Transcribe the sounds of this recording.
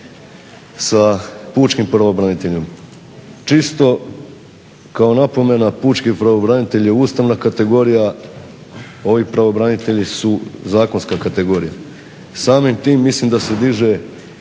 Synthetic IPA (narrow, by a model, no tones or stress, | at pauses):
sapuːt͡ʃkimpɾaʋobɾanit̪e̞ʎom | t͡ʃist̪o̞ | kaonapo̞me̞napuːt͡ʃkipɾaʋo̞bɾanit̪e̞ʎeuːst̪aʋnakat̪e̞ɡo̞ɾija | o̞ʋipɾaʋo̞bɾanit̪e̞ʎisuzaːkonskakat̪e̞ɡo̞ːɾija | saːmimt̪iːmːislimd̪ase̞d̪iʒe̞